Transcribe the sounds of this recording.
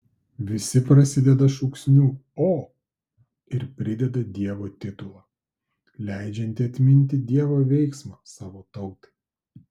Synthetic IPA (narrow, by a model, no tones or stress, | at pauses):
ʋʲɪsʲɪpɾɐsʲɪd̪ʲɛd̪ɐʃʊksʲnʲuːoː | ɪɾpʲɾʲɪd̪ʲɛd̪ɐd̪ʲiɛʋoːt̪ʲɪt̪ʊlˠɑː | lʲæˑɪd͡ʒʲɛnʲt̪ʲɪɐt̪ʲmʲɪnʲt̪ʲɪd̪ʲiɛʋoːʋʲɛɪksmɑːsɑːʋoːt̪ɐʊt̪ɐ̥ɪ